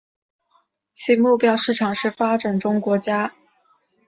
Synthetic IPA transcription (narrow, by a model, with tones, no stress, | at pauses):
t͡ɕʰi˧˥mu˥˩pjɑ˥ʊʂɻ̩˥˩ʈ͡ʂʰɑ˨˩ŋʂɻ̩˥˩fa˥ʈ͡ʂa˨˩nʈ͡ʂʊ˥ŋkwɔ˧˥t͡ɕja˥